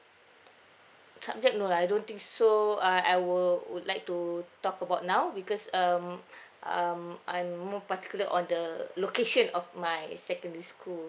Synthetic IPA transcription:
sab̚d͡ʒɛk̚noajdõnt̪ĩŋksoãajwulwṵdlajk̚tutɔkəbaʊt̚nawbikɔsamʔãmãjmːɔpat̪i̥kjuləʔɔ̃ndəlokeʃə̃nɔfmajsɛkə̃ndəɹiskʰul

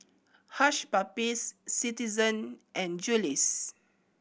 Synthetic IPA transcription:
haʃpapisːitizə̃nʔɛ̃nd͡ʒulis

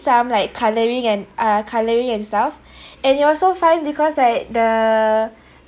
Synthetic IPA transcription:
sãmlaɪkʰːaləɹĩŋɛ̃nʔakʰaləɹĩŋɛ̃nstaf | ɛ̃nitɔlsofãɪ̃nbikʰɔslaɪk̚də

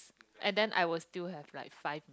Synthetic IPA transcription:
ʔɛ̃ndɛ̃nʔa̰jwɪlstilɦɛvlaɪkfaɪvm

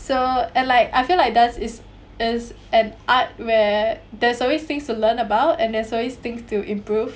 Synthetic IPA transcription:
soɛ̃nlaɪkaɪfilaɪjk̚dasɪs | ɪs | ɛ̃nʔat̚wɛdɛsɔlwest̪ɪ̃ŋstulə̃nəbaʊtɛ̃ndɛsɔlwest̪ɪ̃ŋstuʔĩmpɹuv

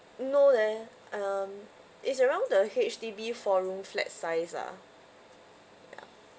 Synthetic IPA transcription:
nodɛ | am | ʔitsəɹãʊ̃ndəhet͡ʃtibifɔɹũmflɛ̰tsaɪsa̰ | ja̰

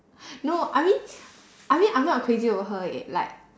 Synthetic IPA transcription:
noʔajmĩn | ʔajmĩnãjmnɔt̚kʰɹeziɔəɦəɪ̰t̚la̰ɪk̚

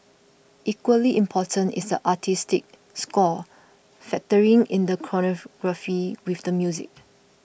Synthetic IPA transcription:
ʔikwəliʔĩmpʰɔtʰə̃ntɪ̰sdə̰ʔatʰistɪk̚ | skɔ | fɛk̚təɹĩŋɪ̃ndəkʰɹɔnɔɡ̥ɹafiwɪfdəmjuzɪ̰k̚

